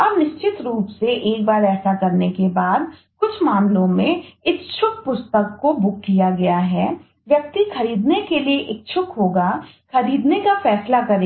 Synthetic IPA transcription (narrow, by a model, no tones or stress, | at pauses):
ɐbnɪʃt͡ʃɪt̪ɾuːpseʔeːk̚baːɾɛːsakɐɾnekebaːd̪ | kʊt͡ʃʰmaːmlõmẽɪst͡ʃʰʊk̚pʊst̪əkːobʊk̚kijaɡɐjaɦɛː | ʋjɐk̚t̪ixɐɾiːd̪nekelieʔeːk̚t͡ʃʰʊkɦoːɡa | xɐɾiːd̪nekafɛːslakɐɾeː